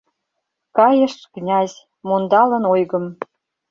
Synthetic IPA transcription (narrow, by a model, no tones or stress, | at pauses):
kɑjə̆ʃknʲɑzʲ | mond̪ɑlə̆nojɣə̆m